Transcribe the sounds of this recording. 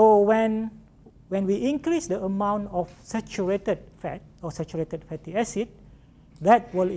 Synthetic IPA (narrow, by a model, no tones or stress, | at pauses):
sowɛ̃n | wɛ̃nwiʔĩŋkɾisdəəmãw̃ntɔfsɛt͡ʃuɹetəd̚fɛt̚ɔsɛt͡ʃuɹetəd̚fɛtiɛsit̚ | dɛt̚wil